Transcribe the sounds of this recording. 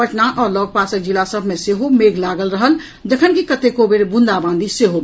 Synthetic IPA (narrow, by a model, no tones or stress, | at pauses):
ət͡ʃnaʔɔːɾlɔɡ̚pasəkd͡ʒilasəbʱmeseɦomeɡlaɡəlɾəɦəl | d͡ʒəkʰənkikət̪ekobeɾbund̪abãnd̪ʱiseɦo